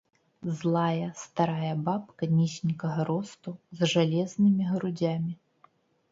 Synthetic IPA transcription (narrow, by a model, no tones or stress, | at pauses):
zlˠajɐst̪aɾajɐbapkɐnʲisʲnʲikɐɣɐɾɔst̪uzʐalʲɛznɨmʲiɣɾud͡zʲamʲi